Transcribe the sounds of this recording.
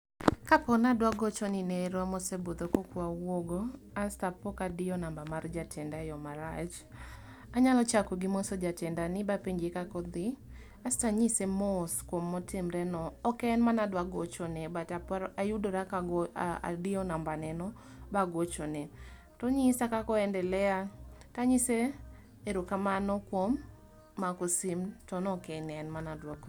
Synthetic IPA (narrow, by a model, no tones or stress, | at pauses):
kapɔnadwaɡɔt͡ʃɔnɪnɛɾamɔsebod̪okokwawwoɡɔ | astapɔkadɪɔnambamard͡ʒatʰɛndajɔmaɾat͡ʃ | aɲalɔt͡ʃakɔɡɪmɔsɔd͡ʒatɛndanɪbapeɲd͡ʒekakɔd̪ɪ | astaɲisemɔskwomːɔtɪmɾɛnɔːkɛnmanadwaɡot͡ʃɔnɛbataɾajudoɾakaɡa̰dɪɔnambanɛnɔ | baɡot͡ʃɔnɛ | tɔɲisakakɔɛndɛlɛataɲise | eɾokamanɔkwomː | akosɪmtɔnɔkɛnɛnmanadwaɡ